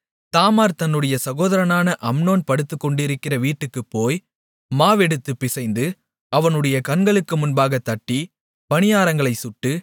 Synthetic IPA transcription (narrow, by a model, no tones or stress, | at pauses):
t̪aːmaːɾt̪ɐnːɯɽɐjɐsɐɣoːðɐɾɐnaːnɐʔɐmnoːnpɐɽɯt̪ːɯkːɔɳɖɪɾɯkːɪrɐʋiːʈːɯkːɯpːoːj | maːʋɛɽɯt̪ːɯpːɪsɐɪnd̪ɯ | ɐʋɐnɯɽɐjɐkɐnɡɐɭɯkːɯmʊnbaːɣɐt̪ːɐʈːi | pɐnɪjaːɾɐŋɡɐɭɐɪsʊʈːɯ